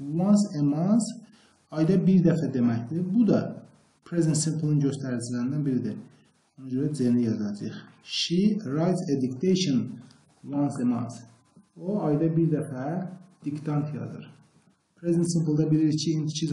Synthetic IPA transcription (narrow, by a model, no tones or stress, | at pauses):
wɑnsemɑns | ɑjd̪ɑbiɾd̪æfæd̪e̞mæçd̪ibud̪ɑ | pʰɾezent̪simpʰlˠinɟøst̪æɾid͡ʒilæɾind̪ænbiɾid̪ḭ | onud͡ʒøɾæt̪zenijɑzɑd͡ʒɯ̰χʃiɾɑjt̪sed̪ukt̪ʰejʃon | wɑnsemɑ̰ns | oɑjd̪ɑbiɾd̪æfæd̪̥ikt̪ʰɑnt̪ʰijɑ̰d̪ɯ̰ɾ | pʰɾezent̪simplˠd̪ɑbiliɾicʰiːnd̪it͡ʃʰiz